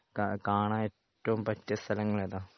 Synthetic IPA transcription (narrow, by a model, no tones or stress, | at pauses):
kakaːɳaːetːɐʋumpɐtːɐst̪ʰɐlɐŋːɐɭeðaː